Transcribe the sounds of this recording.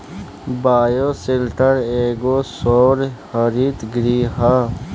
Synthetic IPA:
baːjoselʈəɾeːɡosoːɾhəɾiːt̪ɡɾiːɦa

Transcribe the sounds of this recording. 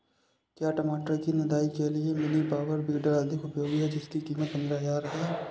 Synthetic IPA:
kjaːʈɐmaːʈəkinɐd̪aːikeliemɪnibaːʋəɾbiːɖəɾɐd̪ʱɪkʊpjoːɡɦɛd͡ʒɪskikiːmət̪nɪlaːjaːɾɐɦɛ

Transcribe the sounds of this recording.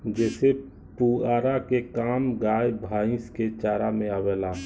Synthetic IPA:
d͡ʒɛːse | puaːɾakekaːmɡaːjbʱaːɪ̃sket͡ʃaːɾamẽawɛla

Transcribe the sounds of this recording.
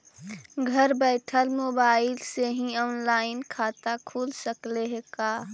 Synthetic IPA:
ɡʱəɾbɛːʈʰəlmoːbaːɪlseɦĩɔːnlaːɪnkʰaːt̪akʰuːlsəkleɦekaː

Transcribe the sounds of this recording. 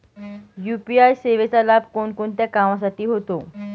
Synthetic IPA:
jupiajseʋet͡salab̚ʱkoɳkoɳt̪jakamãsaʈiːɦot̪o

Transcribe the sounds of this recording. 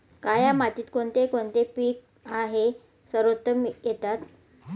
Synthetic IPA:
kajamat̪iːt̪koɳt̪ekoɳt̪epiːk̚ | aɦe | səɾot̪ːəmjet̪at̪

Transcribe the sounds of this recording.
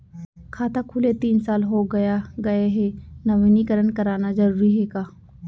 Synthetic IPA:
kʰaːt̪akʰʊlet̪iːnsaːlɦoɡɐjaɡɐeɦenɐʋiːnikəɾənkɐɾaːnad͡ʒɐɾuːɾiɦɛːkaː

